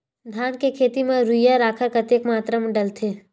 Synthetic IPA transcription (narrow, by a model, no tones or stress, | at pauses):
d̪ʱaːnkekʰeːt̪imẽɾujaɾaːkʰəɾkət̪eːkmaːt̪ɾəmɖəlt̪ʰe